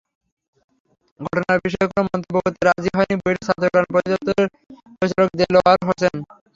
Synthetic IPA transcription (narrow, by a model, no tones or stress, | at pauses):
ɡʱɔʈonaɾbiʃ̬ɔekonomɔnt̪obobot̪iɾad͡ʑiɦɔjnibojɾesat̪ʰokɾanpɾod̪ot̪oɾeɾ | pɾot͡ɕaɾok̚d̪elɔaɾɦosen